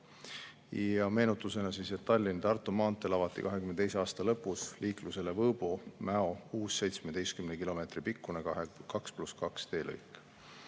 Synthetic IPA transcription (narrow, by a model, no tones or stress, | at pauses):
jɑme̞ːnut̪ːˑuse̞nɑsiset̪ːɑlʲːind̪ɑrt̪ːˑumɑːnt̪ːˑelɑvɑt̪ːˑḭkɑɦe̞kymnt̪ejs̬eɑːst̪ɑlɤpːˑusliːkluse̞levɤːb̥umæo̞uːsːe̞jt̪smed̪̥ejst̪kymnekilo̞me̞ːt̪ripikːˑunekɑkspluskɑkst̪e̞ːlɤ̰jkːˑ